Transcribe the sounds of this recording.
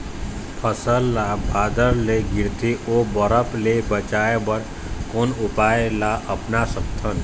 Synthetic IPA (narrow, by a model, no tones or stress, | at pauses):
pʰəsəlːabʱaːd̪əɾleɡɪɾt̪ʰiobəɾəplebət͡ʃaebəɾ | konʊpaelaʔəpnasəkt̪ʰən